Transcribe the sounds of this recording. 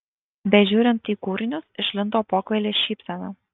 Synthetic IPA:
bʲɛʒʲuːɾʲɪnt̪iːkuːɾʲɪnʲʊsɪʃʲlʲɪnt̪oːpoːkʋʲɛlʲeːʃʲiːpʲsʲɛnɐ

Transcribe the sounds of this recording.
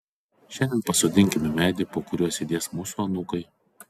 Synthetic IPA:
ʃʲɛnʲd̪ʲɛnpɐsʊd̪ʲɪŋʲkʲɪmʲɪmʲæːd̪ʲɪpoːkʊɾʲuɔsʲid̪ʲeɛsmʊsuːɐnuːkɐɪ

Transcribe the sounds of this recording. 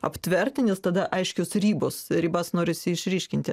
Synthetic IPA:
ɐpʲt̪ʲʋʲɛrʲt̪ʲɪnʲɪst̪ɐd̪ɐʔɐɪʃʲkʲoːsrʲiːboːsɾʲiːbɐsnoːɾʲɪsʲɪɪʃʲɾʲiːʃʲkʲɪnʲt̪ʲɪ

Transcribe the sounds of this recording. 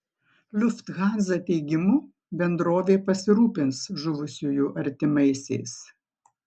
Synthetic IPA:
lʲʊft̪ɣɑːnzɐt̪ʲɛɪɡʲɪmuː | bʲɛnd̪ɾoːʋʲeːpɐsʲɪɾuːpʲɪnsʒʊʋʊsʲuːjuːʔɐɾʲt̪ʲɪmɐɪsʲɛ̰ɪs

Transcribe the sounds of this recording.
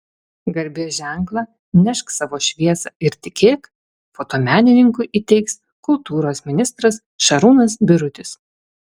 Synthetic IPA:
ɡɐɾʲbʲeːʒʲæˑŋklˠɑː | nʲɛʃksɑːʋoːʃʲʋʲiɛsɑɪɾt̪ʲɪkʲeːk | foːt̪oːmʲæːnʲɪnʲɪŋkʊɪʔiːt̪ʲɛɪks | kʊlˠt̪uːɾoːsmʲɪnʲɪst̪ɾɐs | ʃɐɾuːnɐsbʲɪɾʊt̪ʲɪs

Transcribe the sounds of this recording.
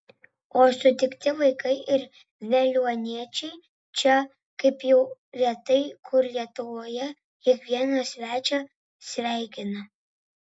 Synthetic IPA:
oːsʊt̪ʲɪkt̪ʲɪʋɐɪkɐɪʔɪɾ | ʋʲɛlʲuɔnʲiɛt͡ʃʲɛɪ | t͡ʃʲɛ | kɐɪpjɛʊɾʲiɛt̪ɐɪkʰʊɾlʲiɛt̪ʊʋoːjɛ | kʲɪkʋʲiɛnoːsʲʋʲæːt͡ʃʲoː | sʲʋʲæˑɪkʲɪnɐ

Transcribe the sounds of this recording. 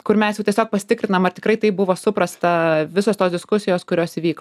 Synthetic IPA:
kʊɾmʲɛsjɛʊtʲiɛsʲoːk̚pɐsʲɪ̥t̪ʲɪkɾʲɪnɐmɐrt̪ʲɪ̥kɾɐɪt̪ɐɪp̚bʊʋoːsʊpɾɐst̪ɐʋʲɪsoːst̪oːsd̪ʲɪskʊsʲɪjoːskʊɾʲoːsɪʋʲiːk

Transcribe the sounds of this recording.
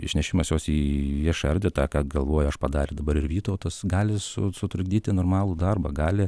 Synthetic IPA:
ɪ̰ʃʲnʲɛʃʲɪmɐsjoːsiːjɪʃɐɾʲd̪ʲɛt̪ɑːkɑːɡɐlˠʋoːjʊɐʃpɐd̪ɑːɾʲɪd̪ɐbɐɾɪɾʋʲiːt̪oʊt̪ɐsɡɑːlʲɪsʊsʊt̪ɾʊɡd̪ʲiːt̪ʲɪnoːrmɑːlˠud̪ɐrbɐɡɑːlʲɪ

